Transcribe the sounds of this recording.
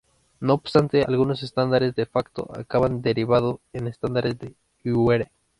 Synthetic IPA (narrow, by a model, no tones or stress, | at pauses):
noːbst̪ant̪ea̰lɣunosest̪and̪aɾezd̪efakt̪o̰ʔa̰kaβand̪eɾiβaðoenest̪and̪aɾezd̪e | yweɾe